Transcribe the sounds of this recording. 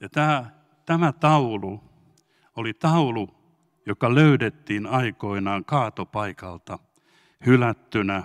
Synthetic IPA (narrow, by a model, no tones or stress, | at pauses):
jɑt̪æː | t̪æmæt̪ɑulu | olit̪ɑulu | jokɑløydet̪ːiːnɑikoinɑːŋkɑːt̪opɑikɑlt̪ɑ | hylæt̪ːynæ